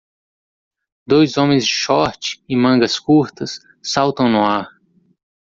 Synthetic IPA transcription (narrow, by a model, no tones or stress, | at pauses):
d̪ojzõmẽj̃zd͡ʒɪʃɔɾt͡ʃɪ̥ɪmɐ̃ŋɡɐskuɾt̪ɐsː | awt̪ɐ̃w̃nʊaɾ